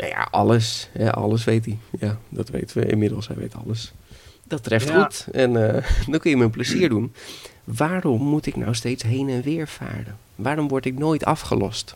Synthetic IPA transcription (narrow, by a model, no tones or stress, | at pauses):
na̰ja̰ʔɑ̰ləsɦɛʔɑ̰ləs̬ʋejtijadɑtʋḛjtəʋə̰ɪ̰nmɪdəlˠsɦɛ̰jʋḛjtʰɑ̰ləsd̥ɑtrɛfχutɛnədɔnkɵnjəmənp̬ləziːɹdun | ʋaːrɔmːutɪknɔ̰wstejtsɦejnɛnʋɪːɹfa̰ːɹdən | ʋaːɾɔmʋɔɹtɪknoːjtɑfχə̰lɔ̰st